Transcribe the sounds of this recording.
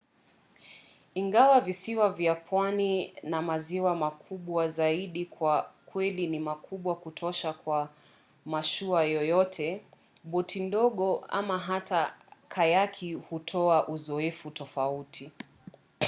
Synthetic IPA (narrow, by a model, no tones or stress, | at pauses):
iŋɡawavisiwavjapʰwaninamaziwamakʰuɓwazaiɗikwakwɛlinimakuɓwakutʰɔʃakwa | maʃuajɔjɔtʰɛ | ɓɔtʰindɔɠɔa̰maɦatakʰajakʰihutʰɔaʔuzɔɛfutɔfautʰi